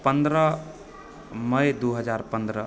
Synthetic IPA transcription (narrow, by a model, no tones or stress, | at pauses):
pənd̪ɾə | məjd̪uɦəd͡ʒaɾpənd̪ɾə